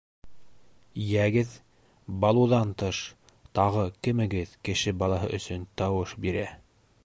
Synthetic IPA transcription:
jæɡɘð | bɑlˠuðɑnt̪ɤʃ | t̪ɑʁɤkɘ̆mɘ̆ɡɘðkɘ̆ʃɘbɑlˠɑɦɤ̰ʔɵ̆sɵnt̪ɑwɤʃbiɾæ

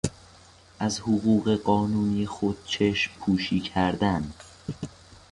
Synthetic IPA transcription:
ʔæzhoɣuːɣe̞ɢɒːnuːniːexod̪̥̚t͡ʃʰeʃmpʰuːʃiːcʰæɾd̪æn

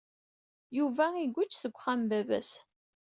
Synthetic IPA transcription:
juvæiɡʷːʊt͡ʃːθəɡʷːχambævæ̰s

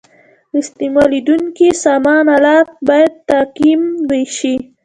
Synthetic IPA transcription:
ɪst̪imɑlid̪uŋkisɑmɑnalɑt̚bɑjad̪̚t̪aqimweʃi

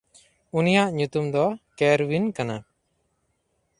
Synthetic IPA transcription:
unijaʔɲut̪umd̪ɔkɛɾwinkana

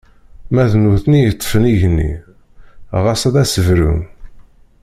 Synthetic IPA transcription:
mæðnuθnijət̪ˤːə̥fəniʝnːḭ | ʁɑsˤæðæsəvɾṵn

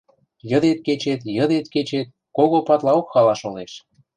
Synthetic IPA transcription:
jəd̪et̪̚ket͡ɕet̪jəd̪et̪̚ket͡ɕet̪̚ | koɣopɑt̪lɑokxɑlɑʃoneʃ

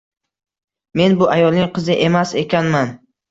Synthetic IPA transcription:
me̞nbʊʔajɒlˠnɪŋqʰɨzɪʔe̞mase̞kʲʰanman

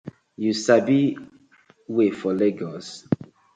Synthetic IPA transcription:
jusabi | wefɔleɡɔs

